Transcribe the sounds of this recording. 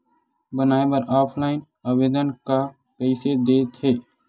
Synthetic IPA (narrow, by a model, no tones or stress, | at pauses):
bənaːebəɾaːpʰlaːɪn | əʋeːd̪ənka | pɛɪsed̪eːt̪heː